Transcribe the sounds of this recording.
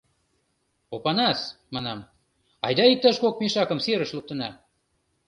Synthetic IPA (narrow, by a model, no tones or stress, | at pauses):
opɑnɑsmɑnɑm | ɑ̰jd̪ɑik̚t̪ɑʃkok̚meʃɑkə̆mseɾə̆ʃluk̚t̪ə̆nɑ